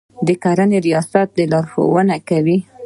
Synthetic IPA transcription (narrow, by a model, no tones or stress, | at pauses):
d̪əkaɾaneɾijɑsat̪̚d̪əlɑɾxo̰wənakawi